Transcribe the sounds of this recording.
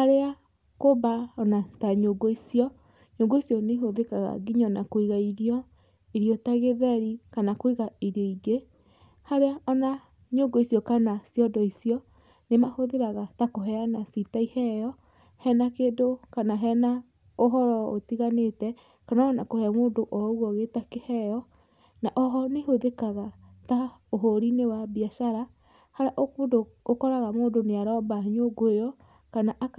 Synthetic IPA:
haɾea | kobaɔnataɲoɡoisjɔ | ɲoɡoisjɔneɦoðekaɣa̰ɡiɲɔnakoiɣaiɾiɔ | iɾiɔtaɣeðɛɾikanakoiɣaiɾjɔiɡe | haɾeaɔna | ɲoɡoisjɔkanasjɔdɔisjɔ | nemahoðeɾaɣatakoɦɛanasitaihɛjɔ | hɛnakeːdokanaɦɛna | oɦɔɾɔotiɣanetɛ | kanaanakohɛamoːndoʔɔoɣwɔɣetakehɛjɔ | naʔɔɦɔnehoðekaɣata | oɦoɾinewabiaʃaɾa | haɾaʔoodookɔɾaɣamoːndoneaɾɔbaɲoɡoejɔ | kanaʔa

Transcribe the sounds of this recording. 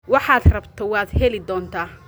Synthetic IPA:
wɑħɑːd̪rɐbt̪ʰɔwaːd̪hɛlɪd̪ɔːnt̪ʰaː

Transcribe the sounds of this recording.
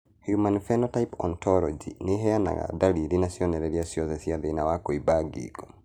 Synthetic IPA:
hjumanfɛnɔtaipɔ̰ntɔlɔd͡ʒḭnɪɦɛana̰ɣa̰daliɾinasjɔnɛɾɛɾiasjɔsɛsiaðenawakoibaɡḭɡɔ

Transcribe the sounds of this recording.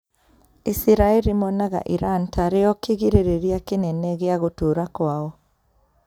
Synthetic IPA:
isiɾaeɾimɔnaɣa̰ʔiɾantaɾeɔkeɣiɾeɾeɾiakenɛnɛɣeaɣotoɾakwaɔ

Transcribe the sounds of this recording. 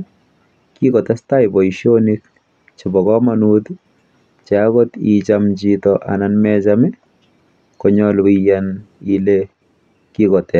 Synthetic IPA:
kikɔt̪ɛstajbɔiʃonik | t͡ʃɪbɔkɔmanud̪ | t͡ʃaaɡɔt̪it͡ʃamd͡ʒit̪ɔʔa̰nanmɛd͡ʒamɛ | kɔɲɔlwijanile | kikɔt̪ɛ

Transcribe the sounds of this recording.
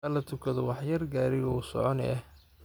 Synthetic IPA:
ɐlɐt̪ʰʊkʰɐðɔwɑħjɐrɡaːɾɪɣɔʊsɔ̰ʕɔnɛ̰ɛh

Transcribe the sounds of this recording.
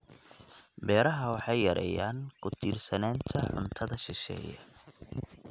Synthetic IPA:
bɛːɾɐɦɐwɑħɑjːɐɾʔɛ̰ja̰ːnkʰʊt̪iːrsɐnaːnt̪ʰɐʕʊ̰nt̪ʰɐðɐʃɪʃɛ̰ːjɐ̰

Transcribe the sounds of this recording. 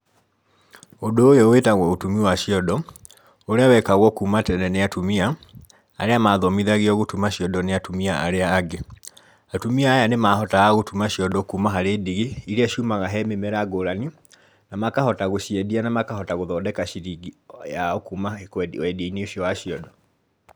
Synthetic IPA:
odoːjowetaɣwɔotumiwaʃiɔdɔ | oɾeawɛkaɣwɔkuːmatɛnɛneatumia | aɾeamaðɔmiðaɣiɔɣotumaɕiɔdɔneatumiaʔaɾeaːɡe | atumiaːjanemaɦɔtaaɣotumaɕiɔdɔkuːmaɦaɾeːdiɣeiɾeaʃumaɣaɦɛmemɛɾaɡoɾani | namakahɔtaɣoʃiɛdianamakaɦɔtaɣoðɔːdɛkaʃiɾiɡijaɔkuːmakwwɛdeineoɕjɔwaɕiɔdɔ

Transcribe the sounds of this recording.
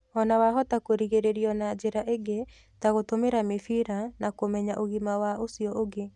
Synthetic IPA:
ɔnawaɦɔtakoɾiɣeɾeɾiɔnad͡ʒeɾaʔeɡe | taɣotomeɾamefiɾanakomɛɲaʔoɣimawaʔosiɔʔoɡe

